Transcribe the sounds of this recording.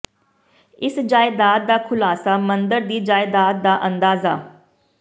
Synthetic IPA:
ɪsd͡ʒaːɪd̪aːt̪̚d̪aːkʰʊlaːsaːmənd̪əɾd̪iːd͡ʒaːɪd̪aːt̪̚d̪aːʔə̃nd̪aːza̰ː

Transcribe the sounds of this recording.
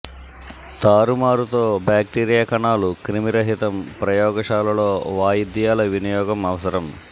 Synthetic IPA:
t̪aːɾumaːɾut̪o̞ːbaːk̚ʈiːɾijaːkɐɳaːlukɾimiɾɐɦit̪ɐmpɾɐjɔːɡɐʂaːlɐloːʋaːjid̪jaːlɐʋinijɔːɡɐmɐʋɐsɐɾɐm

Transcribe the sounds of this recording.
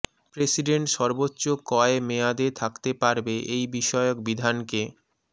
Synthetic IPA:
pɾesiɖeɳʈʃɔɾbotːɕokɔemead̪et̪ʰakt̪epaɾbeʔejbiʃɔeok̚bid̪ʱanke

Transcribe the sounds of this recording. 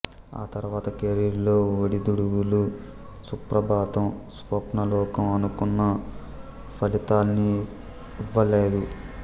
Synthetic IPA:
a̰ːt̪ɐɾuʋaːt̪ɐkeɾiɾlo̞ːoɽid̪uɽuwulu | supɾɐbaːt̪ɐmsʋɐpnɐlɔːkɐmɐnukunːɐ | pʰɐlit̪aːlɐniː | ʋːɐle̞ːd̪u

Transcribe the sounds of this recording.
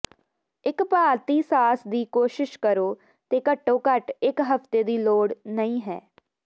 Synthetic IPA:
ɪkpaːɾt̪iːsaːsd̪iːkoːʃɪʃkəɾoː | t̪eːkəʈːõːkəʈɪkɦəft̪eːd̪iːloːɽnəĩːɦɛ̰ː

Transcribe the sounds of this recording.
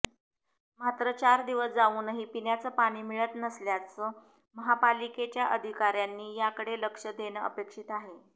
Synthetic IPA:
mat̪ɾət͡ɕaɾd̪iʋəsd͡zauːnəɦiːpinjat͡səːpaɽ̃iːmiɭət̪nəsljat͡səː | məɦapaliket͡ɕjaʔəd̪ʱikaɾjanːiːjakəɽeləkʂəd̪enəə̰pekʂit̪aɦe

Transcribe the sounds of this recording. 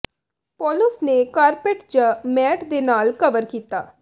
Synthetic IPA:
pɔːlʊsneːkaːɾpeːʈd͡ʒaːmɛːʈd̪eːnaːlkəʋəɾkiːt̪a̰ː

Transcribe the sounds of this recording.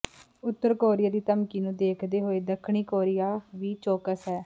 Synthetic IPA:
ʊt̪ːəɾkoːɾɪjaːd̪iːt̪əmkiːnũːd̪eːkʰd̪eːɦoːeːd̪əkʰɳiːkoːɾɪjaːʋiːt͡ʃoːkəsɦɛː

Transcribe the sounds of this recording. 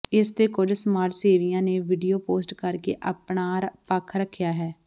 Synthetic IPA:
ɪst̪eːkʊd͡ʒsmaːɾseːʋijãːneːʋiːɖijoːpoːsʈkəɾkḛːʔəpɳaːɾpəkʰɾəkʰːjaːɦɛː

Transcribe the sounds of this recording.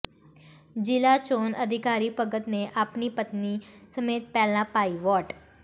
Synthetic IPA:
d͡ʒilat͡ʃonə̰d̪ʱikaɾipəɡət̪neʔapnipət̪nisəmet̪̚pɛlnãpaiʋɔʈ

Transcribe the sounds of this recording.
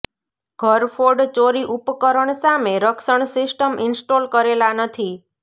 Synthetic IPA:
ɡʱəɾfoɖt͡ʃoɾiʔupkəɾəɳsameɾəksəɳsɪsʈəmʔɪnsʈolkəɾelanət̪ʰi

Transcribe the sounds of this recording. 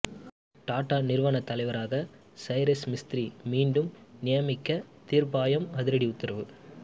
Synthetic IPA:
ʈaːʈːaːnɪɾɯʋɐɳɐt̪ːɐlɐɪʋɐɾaːɣɐ | sɐɪɾɐsmɪst̪ɪɾimiːɳɖɯmnɪjɐmɪkːɐt̪iɾbaːjɐmɐðɪɾɐɽiʊt̪ːɪɾɐʋɯ

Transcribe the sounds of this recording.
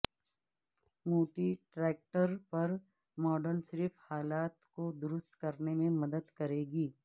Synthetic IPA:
muːʈiʈɾɛːk̚ʈəɾpɐɾ | mɔːɖəɾnsɾɪfhaːlaːt̪kod̪ʊɾʊst̪kɐɾnemẽmɐd̪əd̪kɐɾeːɡiː

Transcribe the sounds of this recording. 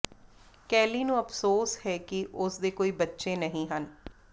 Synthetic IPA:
kɛːliːnũːəpʰsoːshɛːkɪʔʊsd̪eːkoːiːbətːʃeːnəɦĩːɦən

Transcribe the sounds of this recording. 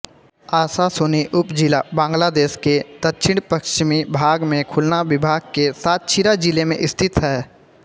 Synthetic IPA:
aːsasʊniʔʊpd͡ʒilabãːŋɡlad̪eːʃked̪̥ət̪ːʃʰɪɽ̃pəkʃt͡ʃɪmibʱaːɡmẽkʰʊlnaʋɪbʱaːɡ̚kesaːt̪̚t͡ʃʰiɾad͡ʒilemḛ̃ʔɪst̪ʰɪt̪ɦɛː

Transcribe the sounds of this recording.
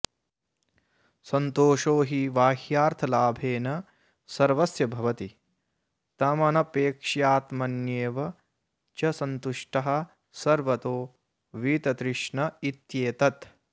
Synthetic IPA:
sɐnt̪oːʃoːɦiʋaːhjaːɾt̪ʰɐlaːbʱeːnɐ | sɐɾʋɐsjɐbʱɐʋɐt̪i | t̪ɐmɐnɐpeːkʂjaːt̪mɐnjeːʋɐ | t͡ʃɐsɐnt̪uʂʈɐɦɐ̆ | sɐɾʋɐt̪oː | ʋiːt̪ɐt̪ɾɪʂɳɐit̪jeːt̪ɐt̪

